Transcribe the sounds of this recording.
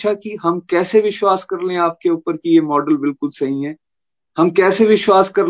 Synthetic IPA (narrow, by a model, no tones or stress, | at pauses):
ʃakiɦɐmkɛːseʋɪʃwaːskɐɾlẽaːp̚keʊːpəɾkijemɔːɖəlbɪlkʊlsɐɦĩɦɛː | ɦɐmkɛːseʋɪʃwaːskɐɾ